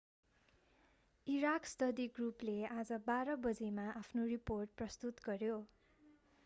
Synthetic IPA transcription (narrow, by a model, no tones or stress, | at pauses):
iɾakst̪ʌd̪iɡruplead͡zʌbaɾʌbʌd͡zemaʔapʰnoriporʈ̚prʌst̪ut̪ɡʌrjo